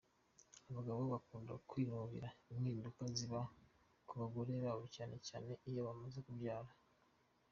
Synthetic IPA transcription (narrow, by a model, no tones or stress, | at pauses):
aβaɡaβoβakuːnda̰kwiːɾuβḭɾaimŋiːndukaziβa | kuβaɡo̞ɾe̞βaːβocaːne̞ca̰ːne̞ijoβamazekuvɟaːɾa